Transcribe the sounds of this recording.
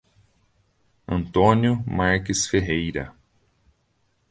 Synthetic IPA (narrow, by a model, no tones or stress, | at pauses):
ɐ̃nt̪õnjʊmaɾkɪsfeɦejɾɐ̰